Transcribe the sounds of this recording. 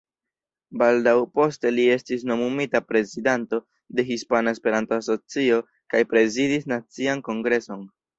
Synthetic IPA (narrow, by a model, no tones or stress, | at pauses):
baldawpo̞ste̞lie̞stis̬no̞mumitapɾe̞zidanto̞ | de̞ɦispanaespe̞ɾanto̞aso̞t͡sio̞ | kajpɾe̞zidisnat͡sianko̞ŋɡɾe̞so̞n